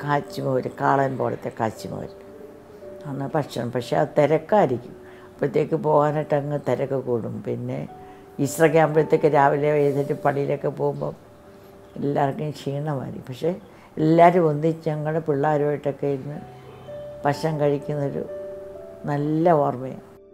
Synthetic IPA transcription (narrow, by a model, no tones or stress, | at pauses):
kaːt͡ɕːimoːʋɾɨkaːɭɐnpoːɭɐ̰t̪ːekaːt͡ɕːimo̰ɾi | anːɐpɐʈʂɐnɐmpɐkʂeɐ̰ðɨt̪eɾɐkːaːɾikʲːum | pːot̪ːekːɨpo̞ːɣaːnɐʈːɐŋːɨt̪eɾɐkːɨkuːɽumpinːe̞̰ | isrɐkjaːmblɐt̪ːekːɨɾaːʋileʋɐjt̪etːɨpɐɽijilokːepo̞ːɣumbo̰ | ḛlːaːrkːɐmt͡ɕiːɳːɐma̰ːɾḭkːumpɐkʂe̞ | elːaːɾumond̪iɲɐŋːɐɭɽepiɭːaːɾoːjiʈːokːejiɾnːɨ | pɐʂɐŋkɐɻikʲːunːɐoɾṵ | nɐlːɐoːrmɐjɐ̰